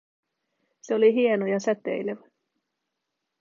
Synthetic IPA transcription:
seo̞liɦie̞nojɑsæt̪ḛjleʋæ

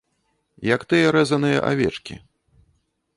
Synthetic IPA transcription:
jɐkt̪ɨjɐɾɛzɐnɨjɐ̰ʔa̰vʲɛ̰t͡ʂkʲḭ

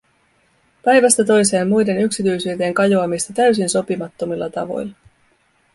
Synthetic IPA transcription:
pæjʋæst̪æt̪o̞jse̞ːmːujde̞nyksit̪yjsyːt̪e̞ːŋkɑjoɑmist̪ɑt̪æɥsinso̞pimɑt̪ːo̞milːʔɑ̰t̪ɑ̰ʋo̞̰jlːɑ

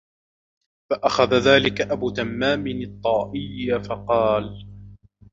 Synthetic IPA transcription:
faʔaxaðaðaːlɪkaʔabuːt̪amːaːmɪnɪt̪ˤːɑːʔɪjːafɑqɑːl

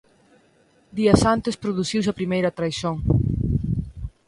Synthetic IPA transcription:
d̪iɐsant̪espɾoðuθiws̬ɐpɾimejɾɐt̪ɾajsoŋ

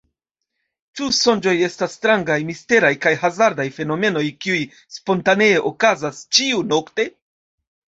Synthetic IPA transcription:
t͡ʃuso̞nd͡ʒo̞je̞stasːtɾaŋɡajmiste̞ɾajkajɦazaɾdajfe̞no̞me̞no̞jkiuj | spo̞ntaneeʔo̞kazast͡ʃiuno̞kte̞

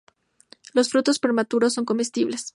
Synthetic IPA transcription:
lo̞sfɾut̪o̞spɾe̞ɾmat̪uɾo̞sːo̞ŋko̞mest̪iβle̞s

